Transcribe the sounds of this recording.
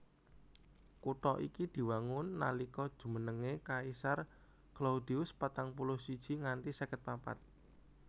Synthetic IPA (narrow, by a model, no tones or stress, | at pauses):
kuʈ̪ɔʔikid̪̥i̤waŋʊnːalikɔd̥ʒ̥ṳmənəŋekaisar | klaud̪iʊspat̪aŋp̬ulʊhsid̥ʒ̥i̤ŋant̪isakət̪̚papa̰t̪̚